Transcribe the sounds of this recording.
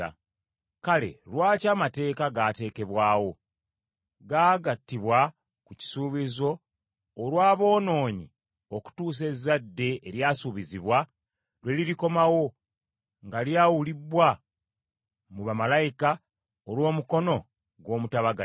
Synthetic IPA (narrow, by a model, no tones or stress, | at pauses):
a̰ | kale̞̰lwaːcaːmate̞ːkaɡaːte̞ːke̞βwaːwo̞ | ɡaːɡatːiβwa | kuci̥suːβizo̞ː | lwaːβo̞ːno̞ːɲi | o̞ku̥tuːs̬e̞zːadːe̞ːɾjaːsuβiziβwa | lwe̞liɾiko̞mawo̞ | ŋɡaljaːwuliβwa | muβamalaika | olwo̞ːmuko̞no̞ | ɡwo̞ːmutaβaɡa